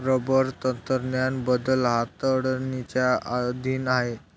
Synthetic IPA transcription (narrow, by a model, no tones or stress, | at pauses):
ɾəbəɾt̪ənt̪əɾnjanbəd̪əlɦat̪əɽənit͡ɕjaad̪ʱiːnaɦe